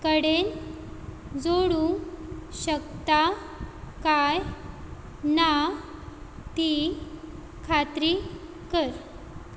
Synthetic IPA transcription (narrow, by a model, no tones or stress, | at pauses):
kəɽen | d͡zoɽuŋɕəkt̪a | kaj | na | t̪i | kʰat̪ɾi | kəɾ